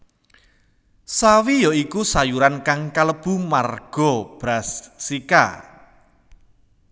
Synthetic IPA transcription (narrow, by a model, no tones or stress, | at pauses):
sawijɔikusajuɾankaŋkaləb̥ṳmarɡ̥ɔ̤b̥ɾasːika̰